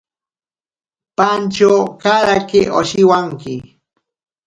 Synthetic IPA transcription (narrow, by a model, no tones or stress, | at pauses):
pant͡ʃawkaɾakɪʔoʃɪwaŋkɪ